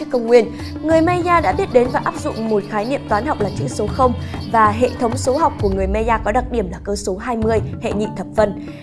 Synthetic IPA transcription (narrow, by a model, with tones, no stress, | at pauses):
kːə˧wŋ͡mŋwi˧ən | ŋɨ˨˩əjma˧zaː˧ɗa̰ː˧˥ɓi˦˥ət̚ɗe˨˦nvaː˨˩ʔaː˦˥p̚zʊ̰˧˨ŋ͡mmo˨˩t̚xaː˨˦jnḭ˧˨əmt̪waː˨˦nɦa˨˩wk͡p̚laː˨˩t͡ɕɨ̰˧˥so˨˦xə˧wŋ͡mvaː˨˩ɦḛ˧˨t̪ʰə˨˦wŋ͡mso˨˦ɦa˨˩wk͡p̚ku˧˩əŋɨ˨˩əjme˧zaː˧kɔ˨˦ɗa˨˩k̚ɗi˧˩əmlaː˨˩kəː˧so˨˦ɦaː˧jmɨ˧əjhḛ˧˨ŋḭ˧˨t̪ʰə˨˩p̚və˧n